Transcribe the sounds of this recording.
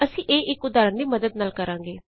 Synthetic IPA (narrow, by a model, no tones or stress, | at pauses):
əsĩːʔeːʔɪkʊd̪aːɾənd̪iːməd̪əd̪̚naːlkəɾãːŋɡeː